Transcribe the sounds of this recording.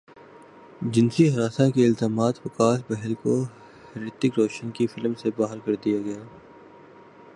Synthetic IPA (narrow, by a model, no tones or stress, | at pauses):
d͡ʒɪnsiɦɐɾaːsãkeɪlt̪aːmaːt̪pɐkaːsbɛɦəlko | hɾɪt̪ɪkɾoːʃənkifɪlmsebaːɦəɾkɐɾd̪ijaɡɐjaː